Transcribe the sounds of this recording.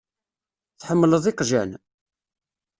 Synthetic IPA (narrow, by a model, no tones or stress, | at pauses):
θħəmːləðˤɪqʒæ̰n